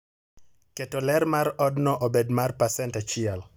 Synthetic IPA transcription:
ketolɛɾmarɔdnɔʔobedmarpasɛntat͡ʃɪɛl

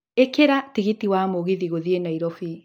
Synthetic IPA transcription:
ekeɾatiɣitiwaːmoɣiðiɣoðienaiɾɔfi

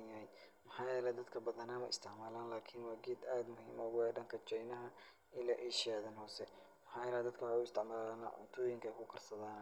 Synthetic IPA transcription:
njɐɦɛjmɐħɑːjɛːlɛd̪ɐd̪kʰɐbɐðɐnaːmɐɪ̰st̪ʰɪʕmaːlaːnlaːkʰɪnwɑːɡiːd̪aːd̪mʊhḭːmɔɣʊɛɖɐŋkʰɐt͡ʃɛjnɐɦɐ | ɪlaːʔɛːʃɪjaːðɐnhɔːsɛ | mɐħɑːjɛːlɛd̪ɐd̪kʰɐwħʊɪst̪ʰɪʕmaːlaːnɐ̰ʔʊ̰nt̪ʰuːjɪŋkʰɐkʰʊkʰɐrsɐðaːn

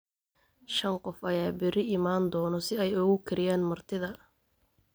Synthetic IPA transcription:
ʃɐnqɔfɐjaːbɪɾɪɪmaːnd̪ɔːnɔsɪɛjʊɣʊkʰɐɾɪjaːnmɐrt̪ʰɪðɐ

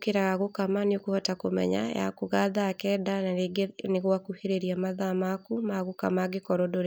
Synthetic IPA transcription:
keɾaɣaɣokamaneokuhatakomɛ̰ɲa̰ja̰koɣaðakɛdaaɡneɣwakuheɾeɾiamaðamakumaɣoka̰maɡekɔɾɔdoɾ

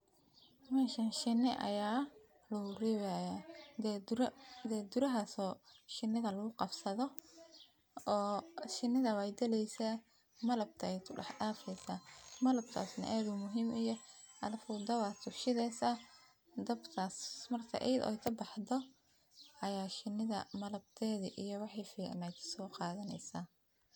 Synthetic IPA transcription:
mɛːʃɐnʃɪnːɪʔɐ̰jaː | lʊʊrɛːwajad̪ɛd̪ɾd̪ɛːd̪ʊɾɐɦasɔːʃɪnːɪɣɐlɐɣʊqɑbsɐðɔ | ɔːʃɪnɪðɐwɛjd̪ɛlɛjsaː | mɐlɐb̚t̪ʰɐɛjk̪ʰʊɖɑħɗaːfɛsaːmɐlɐb̚t̪ʰa̰ːsnɐ̰ʔaːðʊmʊɦiːmʔijɞ | ɐlfʊːd̪ɐwaːt̪ʰʊʃɪðɛːsɐ | d̪ɐbt̪ʰaːsmɐrt̪ʰɐ̰ʔɛjd̪ɔ̰jt̪ʰɐbɑħdɔ | ɐjaːʃɪnɪðɐ̰mɐlɐb̚t̪ʰɛːðiʔijɔwɑħɑjfiːʕnat̪ʰsɔːqɑːðɐnɛ̰jsaː

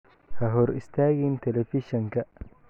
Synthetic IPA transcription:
hɐɦɔɾɪ̰st̪ʰaːɣiːnt̪ʰɛlɛfɪʃɔŋkʰɐ

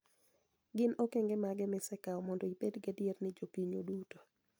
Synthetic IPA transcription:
ɡɪnokeŋɡɛmaɡɛmɪsɛkaɔmɔndoipedɡadjernɪd͡ʒopiɲo̰duto̥

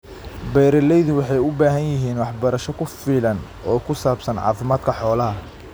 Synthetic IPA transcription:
bɛjɾɐlɛjðʊwɑħɑjʊbaːɦɐnjɪɦiːnwɑħbɐɾɐʃɔkʰʊfiːlɐn | ɔːkʰʊsaːbsɐnʕɑ̰ːfɪmaːd̪kʰɐħɔːlɐɦɐ

